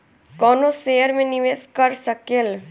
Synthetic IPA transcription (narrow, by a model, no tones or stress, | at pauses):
kɔːnoseːjəɾmẽnɪʋeːskəɾsəkel